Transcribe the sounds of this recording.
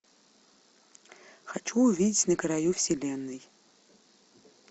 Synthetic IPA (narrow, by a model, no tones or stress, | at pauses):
xat͡ʃuːvʲidʲɪtʲnəkɾajufsʲilʲenːɨj